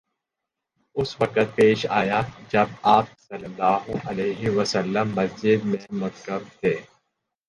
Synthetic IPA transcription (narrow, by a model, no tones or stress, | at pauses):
ʊsʋɐkət̪̚peːʃaːjad͡ʒɐb̚aːp̚sɐlːəlːaːɦʊʔɐleːɦiʋəsəlːəmːɐsd͡ʒɪd̪̚mẽmʊkəmt̪ʰeː